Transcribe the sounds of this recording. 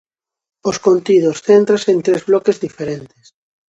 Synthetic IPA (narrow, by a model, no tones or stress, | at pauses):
oskont̪iðosθent̪ɾasent̪ɾezβlɔkezðifeɾent̪e̥s